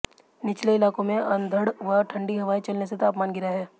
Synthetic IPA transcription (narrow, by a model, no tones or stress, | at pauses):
nɪt͡ʃleɪlaːkõmẽɐ̃nd̪ʱəɽʋɐʈʰɐ̃ɳɖiɦɐʋaːit͡ʃɐlneset̪aːpmaːnɡɪɾaɦɛː